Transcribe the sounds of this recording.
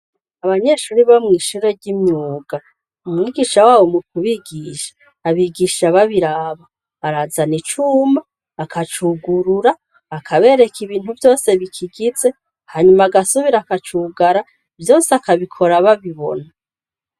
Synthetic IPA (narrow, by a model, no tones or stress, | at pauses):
aβaɲe̞ʃuːɾiβamŋiːʃuɾe̞ɾɟimɲuːɡ̥a | umŋiːɡiʃawaːwo̞mukʰuβiɡiʃḁ | aβiɡiʃaβaβiɾaːβaː | ɾazanit͡ʃuːmaː | kʰat͡ʃuɡuɾuɾaː | kʰaβe̞ːɾe̞kʰiβiːn̥huvjo̞ːse̞βikʰiɡize̞ | haːɲumaaɡasuβiɾakat͡ʃuɡaɾa | vjo̞ːseakaβikʰo̞ɾaβaβiβo̞̰na